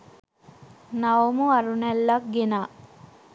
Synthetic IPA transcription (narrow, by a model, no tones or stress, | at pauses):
nawomuɐɾunɛlːɐk̚ɡenaː